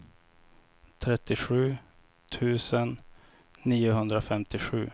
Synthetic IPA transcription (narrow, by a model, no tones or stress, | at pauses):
t̪ʰɾɛt̪ːɪɧʉ̟ː | t̪ʰʉ̟ːsənː | iːʊɦɵnd̪ɾafɛmt̪ɪɧʉ̟ː